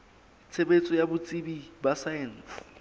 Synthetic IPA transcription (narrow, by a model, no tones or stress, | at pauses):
t͡sʰebet͡sʼɔjabʊt͡sʼibibasajɛn̩s